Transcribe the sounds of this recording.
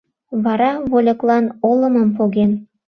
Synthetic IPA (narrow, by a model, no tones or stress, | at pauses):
βɑɾɑβolʲɤ̆klˠɑnolɤ̆mə̆mpoɣen